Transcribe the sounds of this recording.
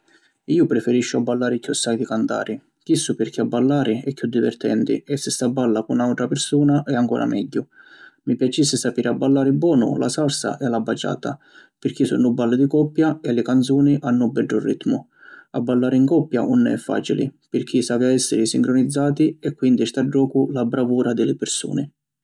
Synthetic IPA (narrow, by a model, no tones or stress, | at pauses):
iːʊpɾɪfɛɾiʃːʊabːalːaːɾɪkːusːajd̪ikant̪a̰ːɾi | kisːupɪrk̟ʰiabːalːaːɾɪɛkːjud̪ːivɛ̰rt̪ɛ̰nt̪ḭɛsːɪst̪abːalːakunawʈ̪ɾapɪrsuːnaʔɛaŋkɔ̰ːɾʔa̰mɛ̰ɟːʊmipjat͡ʃːisːɪsapiːɾʔɪabːalːaːɾibːɔːnʊ̰la̰salsa̰ʔɛlːabːat͡ʃːa̰ːt̪a̰ | pɪrk̟isṵnːʊbːalːɪd̪ikɔpːjaɛlɪkant̪suːniʔanːʊbɛɖːʊrːit̪mʊ | a̰bːalːaːɾɪiŋkɔpːja̰ʔunːɛɛfːa̰ːt͡ʃilḭpɪrk̟ʰisavjaɛsːɪɾɪsiŋkɾʊnid̪zːaːt̪iɛkːwind̪ist̪ad͡ʒːɔːkʊlabɾavuːɾad̪ɪlɪpɪrsṵːnɪ